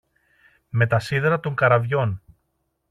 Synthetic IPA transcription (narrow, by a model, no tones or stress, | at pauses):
me̞t̪ɐsiðeɾɐt̪o̞ŋkɐɾɐvʝo̞n